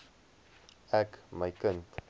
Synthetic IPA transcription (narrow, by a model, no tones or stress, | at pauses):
ɛkməjkənt